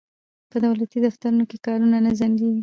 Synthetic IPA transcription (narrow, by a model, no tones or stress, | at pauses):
pəd̪awlat̪id̪aft̪aɾunokekɑɾunanazaŋɡewi